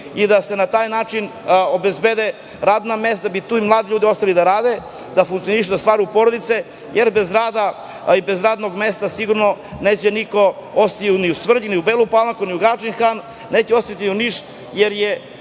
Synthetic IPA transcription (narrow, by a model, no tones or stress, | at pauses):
id̪ase̞nat̪aːjnaːt͡ʃinobezbed̪e | ɾaːd̪namest̪d̪abit̪uːimlˠaːd̪iʎuːd̪io̞st̪alid̪aɾaːd̪e | d̪afuŋkt̪sioniʃ̬ud̪ast̪ʋaːɾujupo̞ɾod̪it̪se̞ | jʔeɾbe̞zɾaːd̪a | ibe̞zɾaːd̪no̞ɡme̞st̪asiɡuɾnoneːt͡ɕeniko̞ost̪iuniusʋr̩ʎiniubeːlˠupalˠakuniuɡat͡ʃinxan | neːt͡ɕeost̪at̪iiuniʃ | jeɾje